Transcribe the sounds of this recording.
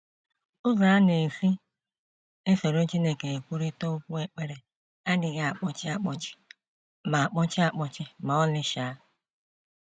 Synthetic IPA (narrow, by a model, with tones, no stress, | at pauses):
ʊ˦za˨a˦ne˨fi˦ | e˦se˨ɾo˦t͡ʃi˦ne˦ke˨e˨kʷu˦ɾi˦to˦kʷu˦e˦k͡pe˦ɾe˨ | a˦dɪ˨ɣa˨a˨k͡pɔ˦t͡ʃɪ˦a˦k͡pɔ˦t͡ʃɪ̥˦ | ma˨a˨k͡pɔ˦t͡ʃɪ˦a˦k͡pɔ˨t͡ʃɪ˦ma˨ɔ˦lɪ˦ʃa˨a˦